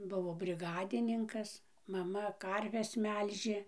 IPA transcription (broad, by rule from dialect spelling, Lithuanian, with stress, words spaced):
ˈbʊʋoː bʲrʲɪˈɡɑːdʲɪnʲɪŋkɐs mɐˈmɐ ˈkɐrʲʋʲɛs ˈmʲɛlʲʒʲeː